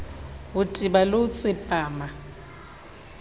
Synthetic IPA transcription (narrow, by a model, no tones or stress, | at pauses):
ʊtʼibaloʊt͡sʼɪpʼaːma